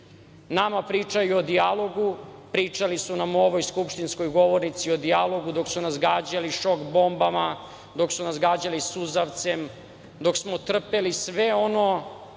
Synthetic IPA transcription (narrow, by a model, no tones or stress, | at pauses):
namapɾit͡ʂajuod̪ialˠo̞ɡupɾiːt͡ʂalisunamoʋojskupʃt̪insko̞jɡo̞ʋoɾnit̪siod̪ialo̞ɡud̪o̞ksunasɡaːd͡ʑaliʃo̞kbo̞mbama | d̪o̞ksunasɡaːd͡ʑalisuzaʋt̪sem | d̪o̞ksmot̪r̩pelisʋeo̞no